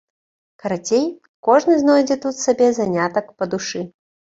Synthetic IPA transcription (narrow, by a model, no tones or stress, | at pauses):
kɐɾat͡sʲej | kɔʐnɨznɔjd͡zʲɛt̪ut̪sabʲɛzanʲat̪ɐkpɐd̪uʂɨ